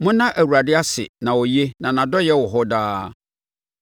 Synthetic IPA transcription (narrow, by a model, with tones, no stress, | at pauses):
mʊ̃˦nã˦ʔæ˨wu˨ɾa˨dɪ˦a˦sɪ̰˨nã˨wɔ˨je˦nã˨nã˨dɔ˦jɛ˦wɔ˨ɦɔ˦daː˦